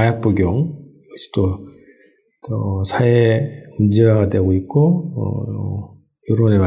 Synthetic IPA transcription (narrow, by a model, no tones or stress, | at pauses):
ajap͈uɡjoŋ | ɡʌɕʰi̥t͈o | ʌsʰaemund͡ʑeaadwe̞ɡoik̚k͈oʌ̰ | joɾonema